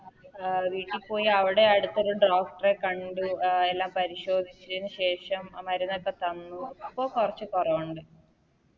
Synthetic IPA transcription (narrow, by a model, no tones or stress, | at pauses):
ʋiːʈːilpo̞ːjiɐʋiɽe̞ɐɽut̪ːɐɾuɳɖraːfʈrekɐɳɖuelːaːmpɐɾiɕo̞ːd̪ʱit͡ɕːɐðinɨɕe̞ːʂɐmmɐɾɐnːɐkːɐt̪ɐnːuipːo̞ːkurɐt͡ɕːɨkurɐʋuɳɖɨ